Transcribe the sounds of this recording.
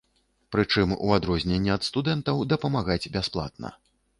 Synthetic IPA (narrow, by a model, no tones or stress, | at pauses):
pɾɨt͡ʂɨmṵad̪ɾɔzʲnʲɛnʲːɛɐt̪st̪ud̪ɛnt̪ɐwd̪ɐpɐmaɣad͡zʲbʲasplˠa̰t̪̚nɐ̰